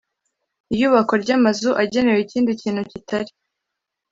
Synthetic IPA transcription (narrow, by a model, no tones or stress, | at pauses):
ijuːβako̞ɾɟamazuʔaɟe̞ne̞weciːndiciːnhucitʰaɾi